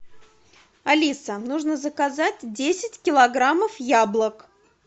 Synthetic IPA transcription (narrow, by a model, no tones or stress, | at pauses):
ɐlʲisənuʐnəzəkazatʲdʲesʲɪtʲkʲɪlˠɐɡɾaməfjablˠək